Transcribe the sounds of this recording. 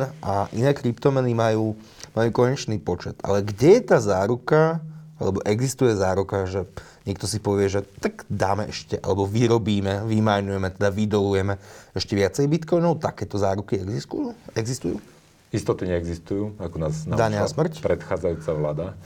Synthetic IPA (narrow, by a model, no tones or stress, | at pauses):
ʔaʔinɛːkɾipt̪ɔmɛnimajuː | majuːkɔɦɛɲɛt͡ʃniːpɔt͡ʃɛt̪a̰lɛɡɟɛjɛt̪aːzaːɾukaa̰lɛbɔʔɛɡzist̪ujɛzaːɾukaʒɛ | ɲɪɛkt̪ɔs̬ipɔʋɪɛʒɛt̪aɡd̪aːmɛʔɛʃcɛʔa̰lɛbɔʋiɾɔbiːmɛʋimajnujɛmɛt̪ɛd̪aʋid̪ɔlujɛmɛɛʃcɛʋɪat͡sɛjbit̪kɔjnɔʊt̪akɛːt̪ɔzaːɾukiɛɡzist̪ujuɛɡzist̪ujṵː | ist̪ɔt̪iɲɛɛɡzist̪ujuːakɔnaːzndad̪aɲasmr̩cpɾɛt̪xaːd͡zajuːt͡saʋlaːd̪a